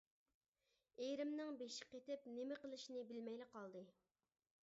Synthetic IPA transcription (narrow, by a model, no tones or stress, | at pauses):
ejɾɪmnɪŋbeʃɪ̥qet̪ɪpnemɪqəlˠɨʃinɪbɪlmɛjlɪqʰɑlˠd̪ɨ